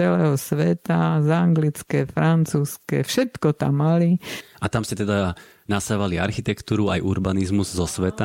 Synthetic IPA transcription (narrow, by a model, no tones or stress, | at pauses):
ɛlɛːɦɔsʋɛt̪azaŋɡlit͡skɛfɾant͡suːskɛ̰fʃɛt̪kɔt̪a̰mːaliʔat̪amscɛt̪ɛd̪a | nasaʋaliaɾxit̪ɛkt̪uːɾuajʔuɾbanizmuzːɔsʋɛt̪a